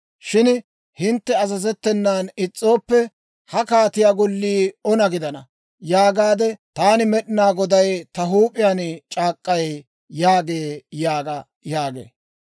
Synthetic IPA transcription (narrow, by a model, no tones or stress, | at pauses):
ʃɪn | hɪnt̪ːɛɐzɐzɛt̪ːɛnːaːnɪt͡sʼːo̞ːpːɛ | hɐkaːt̪ɪjaːɡɔlːiːɔnɐɡɪd̪ɐnɐ̰ | jaːɡaːd̪ɛt̪aːnɪmɛɗɪnaːɡɔd̪ɐjt̪ɐɦuːpʼɪjaːnt͡ʃʼaːkʼːɐj | jaːɡeːjaːɡɐ | jaːɡḛː